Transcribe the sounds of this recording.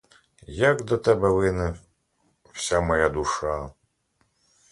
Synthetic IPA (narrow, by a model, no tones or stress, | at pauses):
jakd̪ɐt̪ʰɐbɐweːnɨ | fsʲamɐjad̪uʂaː